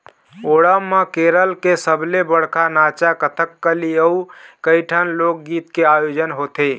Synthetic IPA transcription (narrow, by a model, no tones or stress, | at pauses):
oɽəmːəkeɾəlkesəbʱlebəɽ̤kʰanat͡ʃakət̪ʰəkːəliəukəjʈʰənlok̚ɡit̪keajod͡ʒənɦot̪e